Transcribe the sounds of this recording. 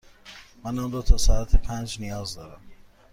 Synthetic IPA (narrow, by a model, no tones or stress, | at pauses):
mænɒnɾot̪ʰɒːsɒæt̪ʰepʰænd͡ʒnijɒːzd̪ɒːɾæm